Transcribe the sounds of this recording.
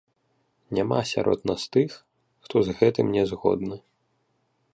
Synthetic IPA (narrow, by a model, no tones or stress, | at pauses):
nʲamasʲa̰ɾɔ̰d̪nast̪ɨx | xt̪ɔzɣɛt̪ɨmnʲɛzɣɔ̰d̪nɐ